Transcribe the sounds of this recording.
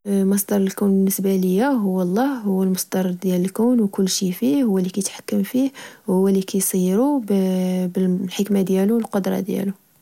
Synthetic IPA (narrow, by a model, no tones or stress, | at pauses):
mɑsd̪ɑɾˤəlkæwnbənːəsbaləjːæɦʊwːɑlˤːɑhhʊwːəlmʊsˤd̪ɑɾˤd̪jæləlkæwnwkʊlːʃifihʊwːælːikæjt̪ħḁkːəmfihwhhʊwːælikæjsˤiɾubbəlħəkmad̪jæluwəlqod̪ɾˤɑ̰d̪jæ̰lu